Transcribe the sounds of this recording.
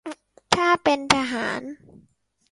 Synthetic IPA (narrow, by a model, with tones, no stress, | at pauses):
t̪ʰaː˥˩pe˧nt̪ʰaː˧ɦa̰ː˩˦n